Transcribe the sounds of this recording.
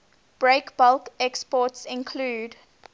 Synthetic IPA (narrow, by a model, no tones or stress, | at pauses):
b̥ɹekb̥alkɛkspɔtsɪ̃nkʰluːd